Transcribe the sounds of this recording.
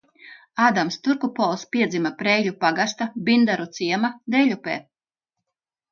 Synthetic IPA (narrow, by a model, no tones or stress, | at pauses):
aːd̪amst̪uɾkupɔlˠspʲiɛd̪zʲimapɾɛjʎʲupaɡast̪abind̪aɾut̪siɛmad̪ɛʎʲupɛ̰ː